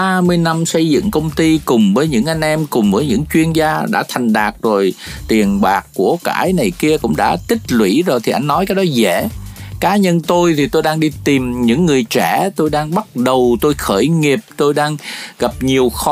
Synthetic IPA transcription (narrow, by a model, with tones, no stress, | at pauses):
aː˧mɨ˧əjna˧msə˧jzɨ̰˧˨ŋkə˧wŋ͡mt̪i˧kʊ˨˩ŋ͡mvəː˨˦jɲɨ̰˧˥ŋʔa˧jŋ̟ʔɛ˧mkʊ˨˩ŋ͡mvəː˨˦jɲɨ̰˧˥ŋt͡ɕwi˧ənzaː˧ɗa̰ː˧˥t̪ʰa˨˩jŋ̟ɗaː˨˩k̚zo˨˩jt̪i˨˩ənɓaː˨˩kːu˧˩əka̰ː˧˩jna˨˩jki˧əkʊ̰˧˥ŋ͡mɗa̰ː˧˥t̪ï˦˥k̟̚lwḭ˧˥zo˨˩jt̪ʰi˨˩ʔa˧jŋ̟nɔ˨˦jkaː˨˦jɗɔ˨˦zḛ˧˩˨kaː˨˦ɲə˧nt̪o˧jt̪ʰi˨˩t̪o˧jɗaː˧ŋɗi˧t̪i˨˩mɲɨ̰˧˥ŋːɨ˨˩əjt͡ɕɛ˧˩t̪o˧jɗaː˧ŋɓa˦˥t̚ɗə˨˩wt̪o˧jxəː˧˩jŋi˨˩əp̚t̪o˧jɗaː˧ŋɣa˨˩p̚ɲi˨˩əwx